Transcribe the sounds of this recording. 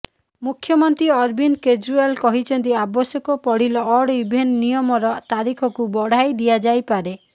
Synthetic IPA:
mukʰːjɔmɔnt̪ɾiɔɾbinked͡ʒɾualkɔɦit͡ʃʰɔnt̪̬iabɔsjɔkɔpɔɽilɔːɽibʱennijɔmɔɾɔt̪aɾikʰɔkubɔɽ̤ajd̪iad͡ʒajpaɾe

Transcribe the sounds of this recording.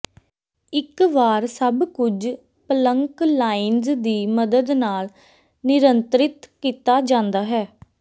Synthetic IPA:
ɪkʋaːɾsəbkʊd͡ʒ | pələŋklaːɪnzd̪iːməd̪əd̪naːl | nɪɾənt̪ɾɪt̪kiːt̪aːd͡ʒãːnd̪aːɦɛː

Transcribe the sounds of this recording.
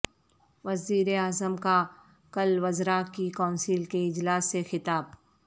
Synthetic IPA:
ʋɐziːɾeaːzəmka | kɐlʋɐzɾakikãːnsiːlkeɪd͡ʒlaːsːexɪt̪aːb

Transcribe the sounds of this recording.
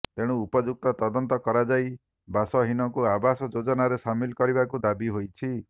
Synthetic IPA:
t̪eɽ̃uːpɔd͡ʒuk̚t̪ɔt̪ɔd̪ɔnt̪ɔkɔɾad͡ʒaj | basɔɦinɔkuabasɔd͡ʒod͡ʒɔnaɾesamilkɔɾibakud̪abiɦojt͡ʃʰi

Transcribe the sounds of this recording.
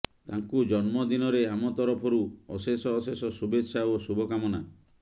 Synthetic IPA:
t̪aŋkud͡ʒɔnmɔd̪inɔɾeamɔt̪ɔɾɔpʰɔɾuɔsesɔːsesɔsubetːʃaoɔsubʱɔkamɔna

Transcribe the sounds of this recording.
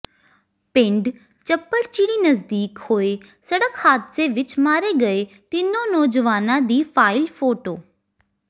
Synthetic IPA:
pɪ̃ɳɖ | t͡ʃəpːəɽt͡ʃiːɽiːnəzd̪iːkhoːe | səɽəkhaːt̪seʋɪt͡ʃmaːɾeɡəe | t̪ɪnonɔːd͡ʒəʋaːnãd̪iːfʰaːɪlfʰoːʈoː

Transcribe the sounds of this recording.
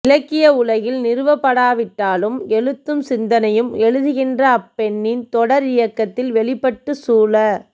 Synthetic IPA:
ɪlɐkːɪjɐʊlɐɣɪlnɪɾɯʋɐpːɐɽaːʋɪʈːaːlɯmɛɻɯt̪ːɯmsɪnd̪ɐnɐjɯmɛɻɯðɯɣɪndrɐːpːɛɳːɪnt̪ɔɽɐɾɪjɐkːɐt̪ːɪlʋɛɭɪpːɐʈːɯsuːlɐ

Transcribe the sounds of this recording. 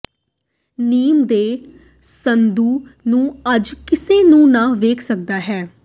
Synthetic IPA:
niːmd̪eː | sənd̪uːnũːəd͡ʒkɪseːnũːnãːʋeːkʰsək̚d̪aːɦɛː

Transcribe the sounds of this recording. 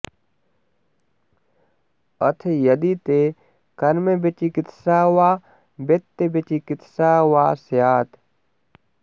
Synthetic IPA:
ɐt̪ʰejɐd̪it̪e | kɐɾmebet͡ʃikɪt̪saːwaː | bet̪ːebet͡ʃikɪt̪ʰsaːwaːsjaːt̪

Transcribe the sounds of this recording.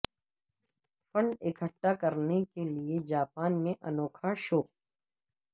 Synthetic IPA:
fə̃ɳɖɪkʰəʈːakɐɾnekelied͡ʒaːpaːnmẽʔɐnoːkʰaʃoː

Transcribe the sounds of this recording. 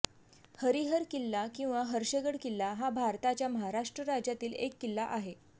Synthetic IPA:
həɾiɦəɾkilːakĩw̃ʋaɦəɾɕəɡəɽkilːaɦabʱaɾt̪at͡ɕjaməɦaɾaʂʈɾəɾad͡ʑjat̪iːlekːilːaʔaɦe

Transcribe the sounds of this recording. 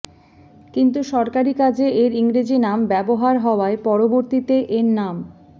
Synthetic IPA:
kint̪uʃɔɾkaɾikad͡ʑeʔeɾiŋɾid͡ʑinambɛboɦaɾɦɔoaepɔɾoboɾt̪it̪eʔeɾnam

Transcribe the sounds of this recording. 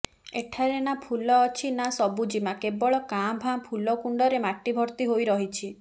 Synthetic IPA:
eʈʰaɾenapʰulɔːt͡ʃʰinasɔbud͡ʒimakebɔɭɔkabʱãpʰulɔkuɳɖɔɾemaʈibʱɔɾt̪iɦojɾɔɦit͡ʃʰi

